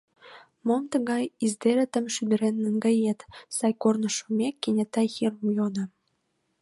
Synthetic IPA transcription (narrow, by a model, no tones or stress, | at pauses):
momt̪ə̆ɣɑjizd̪eɾĕt̪ə̆mʃyd̪ə̆ɾenːəŋɡɑjet̪sɑjkornə̆ʃomʲekːenʲet̪ːɑjxirmujod̪ə̆